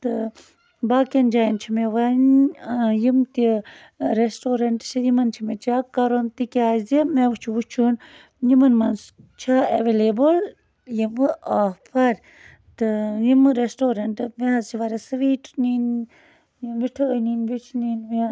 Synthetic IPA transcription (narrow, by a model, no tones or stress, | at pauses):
t̪ɨ | baːkend͡ʒaːjint͡ʃʰimeʋɐn | jimt̪i | ɾesʈoːɾɐɳʈt͡ʃʰijimɐnt͡ʃʰimet͡ʃakɐɾont̪ikiaːzimeʋut͡ʃʰiʋut͡ʃʰun | jimɐnmɐnst͡ʃʰaeʋelebul | jimɨapʰɐɾ | t̪ɨjimɨɾesʈoːɾɐɳʈɨmeɦɐzt͡ʃʰiʋaɾɐsɨʋiːʈnin | jʋiʈʰəninʋit͡ʃʰninme